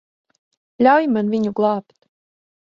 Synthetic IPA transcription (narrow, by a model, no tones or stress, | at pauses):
lʲawjmanvʲiɲuɡlˠɑːpt̪